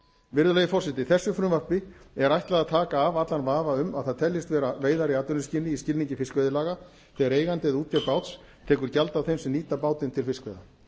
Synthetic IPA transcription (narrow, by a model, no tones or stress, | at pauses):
vɪɾðʏlɛɣʏfɔr̥sɪt̪ɪθɛsːʏfɾʏmvapɪɛɾajht̪laðat̪ʰaːkaːvat̪lanvaːvaʏmaðθaðt̪ʰɛljɪst̪vɛːɾaveːjðaɾɪaːt̪ʏnʏscɪlnɪiscɪlniɲcɪfɪskvɛðɪlaːɣa | θɛːɣaɾeːjɣant̪ɪðuːt̪ʰjapaːwt̪s | t̪ʰɛːkʏɾ̥calt̪awθejmsɛmniːt̪apaːwt̪ɪnt̪ʰɪlfɪskvɛjða